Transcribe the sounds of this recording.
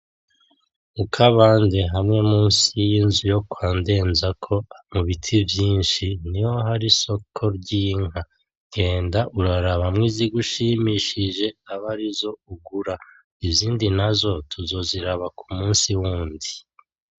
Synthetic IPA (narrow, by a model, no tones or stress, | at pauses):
ukʰaβaːnde̞ɦamŋe̞muːnsijinzujo̞kwaːnde̞ːnzakʰo̞muβitʰivjiːnʃiniwo̞ɦaɾiso̞kʰo̞ɾɟiːŋa | ɡe̞ːndaʔuɾaɾaβamŋiːziɡuʃimiʃiʒe̞aβaɾizo̞uɡuɾa | ivziːndinazo̞tʰuzo̞ziɾaβakumuːnsiwuːndi